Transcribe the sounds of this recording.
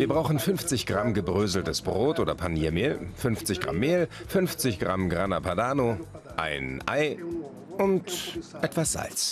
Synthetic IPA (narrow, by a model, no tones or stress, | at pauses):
viːɐbʁaʊxn̩fʏnft͡sɪçɡ̥ʁamɡəbʁøːzl̩təsb̥ʁoːtʔoːdɐpʰaniːɐmeːlfʏnft͡sɪçɡ̥ʁa̰mːeːlfʏnft͡sɪçɡ̥ʁamɡʁanapʰadaːno | ʔa̰ɪnʔa̰ɪ | ʔʊntʔɛtv̥asz̥a̰lt͡s